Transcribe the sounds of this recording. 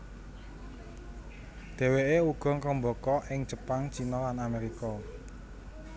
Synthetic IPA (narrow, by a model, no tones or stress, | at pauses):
d̪̥e̤weeuɡ̥ɔ̤ŋkəmbɔkɔʔɪŋd͡ʒ̥ə̤paŋt͡ʃinɔlanameɾikɔ